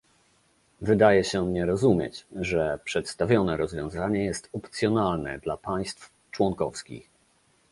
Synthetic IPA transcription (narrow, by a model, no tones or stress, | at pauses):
vɘd̪ajɛɕɛmɲɛɾɔzumʲjɛ̰t͡ɕʐɛpʂɛt̪st̪avʲɔnɛɾɔzvʲjɔ̃w̃zaɲɛjɛst̪ɔpt̪sʲjɔnalnɛ̰d̪lapaj̃st̪f | t͡ʂwɔŋkɔfskʲḭx